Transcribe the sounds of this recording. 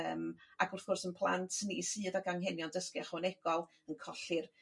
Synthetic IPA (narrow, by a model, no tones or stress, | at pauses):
əːmaɡʊrθɡ̥ʊrsənpʰlˠa̰ntʰnisɨːdaɡaŋɦɛnjɔndəskiaχwɔnɛɡ̥ɔlˠ | ənkʰɔɬɪr